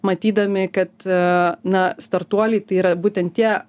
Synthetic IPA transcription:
mɐt̪ʲiːd̪ɐmʲɪkɐt̪nɐst̪ɐrt̪uɔlʲɛɪt̪ɐɪiːɾɐbuːt̪ʲɛnt̪t̪ʲiɛ

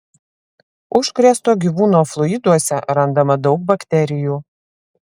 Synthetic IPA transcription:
ʊʃkɾʲɛst̪oːɡʲiʋuːnoːflˠʊɪd̪uɔsʲɛɾɐnd̪ɐmɐd̪ɒʊk̚bɐkt̪ʲɛɾʲɪjuː

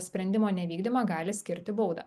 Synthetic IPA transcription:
sʲpʲɾʲɛnʲd̪ʲɪmoːnʲɛʋʲiːɡd̪ʲɪmɐɡɑːlʲɪsʲkʲɪɾʲt̪ʲɪboʊd̪ɐ̰

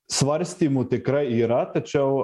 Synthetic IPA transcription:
sʋaɾʲst̪imut̪ekɾajiɾat̪ɐt͡ʃaw

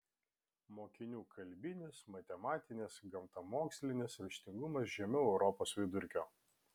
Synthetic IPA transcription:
moːkʲɪnʲuːkʰɐlʲbʲɪnʲɪsmɐt̪ʲɛmɑːt̪ʲɪnʲɪsɡɐmt̪ɐmoːksʲlʲɪnʲɪsɾʲɪʃʲt̪ʲɪŋɡʊmɐs̬ʒʲɛmʲʊɛʊɾɔpoːsʋʲɪd̪ʊɾʲkʲoː

